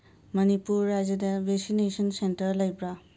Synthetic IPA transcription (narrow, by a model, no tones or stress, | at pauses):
mʌnipuɾːad͡ʒɐdabʱesinesɔnsentəɾləjbɾa